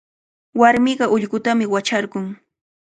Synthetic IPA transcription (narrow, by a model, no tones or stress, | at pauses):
waɾmɪɢɑʔʊʎɢʊt̪amɪwat͡ʃaɾɢʊŋ